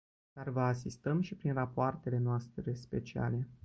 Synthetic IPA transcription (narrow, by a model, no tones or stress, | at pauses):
d̪̥arvəasist̪əmʃipɾinrapoart̪e̞le̞noast̪ɾe̞spe̞̰t͡ʃia̰le̞